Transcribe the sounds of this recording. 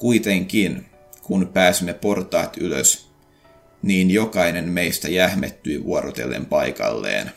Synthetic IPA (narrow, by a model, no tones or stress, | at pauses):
kuit̪eŋkin | kunpæːsimːepo̞rt̪ɑ̰ːt̪ylø̰s | niːnjo̞kɑine̞nmeist̪æjæhmet̪ːyiʋuoɾot̪e̞̰lːḛmpɑjkɑ̰lːḛːn